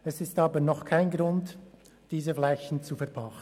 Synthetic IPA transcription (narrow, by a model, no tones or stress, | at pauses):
ɛsɪstɑːbənɔχkʰaɪnɡɾʊnt | d̥iːzəflɛçn̩t͡sufɛɐpʰɑχ